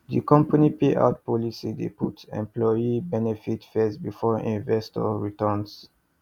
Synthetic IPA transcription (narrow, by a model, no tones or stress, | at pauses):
dikɔ̃mpanipeʔa̰ʊt̚pɔlisidḛputɛ̰̃mplɔibɛnɛfitfɛsbifɔʔḭ̃nvɛstɔ̰ɹitɔ̃ns